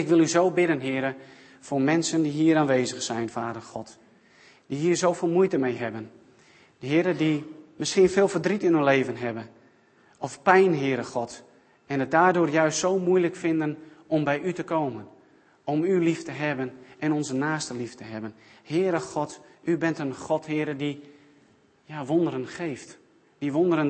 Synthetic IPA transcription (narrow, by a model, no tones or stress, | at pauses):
ɪkʋɪlˠyzowbɪdənɦɪːɾə | foːrmɛnsəndiɦiːəɾaːnʋeːzəxsɛjnfaːdərxɔt | d̥iɦiːrzowfɪːlˠmujtəmejɦɛbən | ɦɪəɾədimɪskiənfeːlˠfərdritɪnynleːvənɦɛbən | ɔfpɛjnɦɪːɾəxɔt | ɛnət̚daːdʊːrjœɥstsowmujləkfɪndənɔmbɛjʔytəkowmən | ɔmyliftəɦɛbənɛnɔnzənaːstəliftəɦɛbənhɪːəɾəxɔtybɪntənχɔthɪəɾədi | jaʋondəɾənxejft | diʋondəɾən